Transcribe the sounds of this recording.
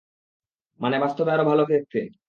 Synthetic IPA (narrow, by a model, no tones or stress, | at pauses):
manebast̪obeaɾobʱalokʰek̚t̪ʰːe